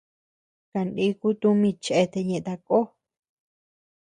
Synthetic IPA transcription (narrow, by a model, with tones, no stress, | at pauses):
ka˧˨ndi˧˦ku˦t̪ũ˦mĩ˧t͡ʃe˧t̪e˧ɲẽ˧ʔt̪a˧ko˦